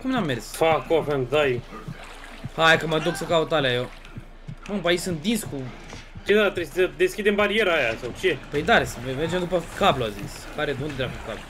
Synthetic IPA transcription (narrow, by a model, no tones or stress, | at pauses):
kumnamːersfakofend̪aj | hajkəməd̪uksəkaut̪aleajo | umpait͡ʃsɨnt̪̚d̪insku | ked̪at̪ɾessəd̪eskʲid̪embaɾieɾəajasawt͡ʃepəjd̪aɾesmerd͡ʒemd̪upəkabluazis | kaɾed̪ond̪d̪ɾakukablu